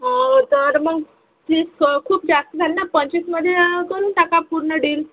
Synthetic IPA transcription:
ɦt̪əɾməɡ | t͡ɕiskʰuːp̚d͡zast̪əd͡z̪ʱalnapəɲt͡ɕisməd̪ʱːjed̪onʈakapuɾɳəɖiːl

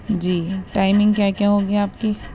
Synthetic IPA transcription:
d͡ʒiːʈaːɪmɪ̃ŋɡkjakjaɦoɡɐjaaːpki

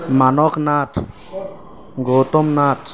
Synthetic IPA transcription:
manɔknaʈʰ | ɡot̪omnaʈʰ

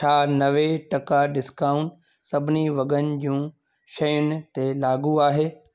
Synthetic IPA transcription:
ʈʰaːnɐʋeʈɐkaɖɪskaːʊ̃ɳʈ | sɐbʱɪniʋɐɡənɪ̆d͡ʑũː | ʃɐjʊnɪ̆t̪elaːɡuaːɦeː

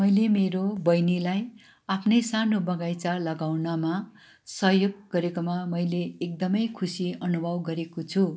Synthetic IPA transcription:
mʌjlemeɾobʌjnilaj | apʰnʌjsanobʌɡajt͡salʌɡawnʌma | sʌɦjoɡːʌɾekomamʌjleːk̚d̪ʌmʌjkʰusiʌnubʱʌbɡʌɾekot͡sʰu

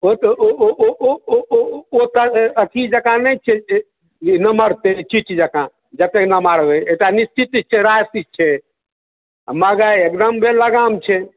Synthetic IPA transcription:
ot̪oooooot̪əət̪ʰid͡ʒəkãnət͡ʃʰɛ | nəməɾt̪et͡ʃit͡ʃd͡ʒəkã | d͡ʒət̪ːeknəmaɾbeeʈanist͡ʃit̪it͡ʃʰɛɾasit͡ʃʰɛ | məɡaek̚d̪əmbʱeləɡamt͡ʃʰɛ

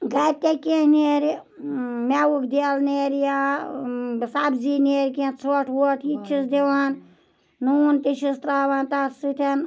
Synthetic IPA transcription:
ɡɐt̪ʲekehneːɾ | mɛwukʰd̪ilneːɾjaː | sabzineːɾʲkẽt͡sʰoʈʰwoʈʰit͡ʃʰisd̪eʋaːn | nuːnt̪iʃist̪ɾaːʋant̪asɨt̪ʰɐn

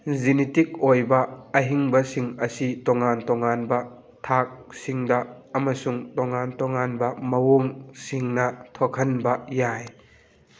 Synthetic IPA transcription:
zinitik̚ɔjbɐɐɦiŋbɐsiŋɐsit̪ɔŋant̪ɔŋanbɐ | t̪ʰaːk̚siŋdaɐmɐsuŋt̪ɔŋaːnt̪ɔŋanbɐmɐwɔŋsiŋnɐt̪ʰɔkʰɐnbɐjaːj

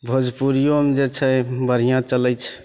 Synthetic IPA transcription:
bʱəd͡ʒpuɾijomed͡ʒet͡ʃʰəbəɾ̤ijãt͡ʃələt͡ʃʰ

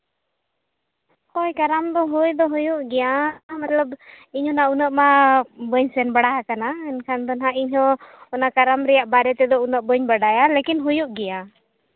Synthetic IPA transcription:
kɔjkaɾamd̪ɔɦujd̪ɔɦujuʔɡɛjamat̪ləb | iɲhɔnaunəʔmabəɲsɛnbaɽajakanaɛnkʰand̪ɔnɦaiɲɦɔ̃ːnakaɾamɾɛjaʔbaɾɛt̪ɛd̪ɔunəʔbəɲbaɽajalekinɦujuʔɡɛja

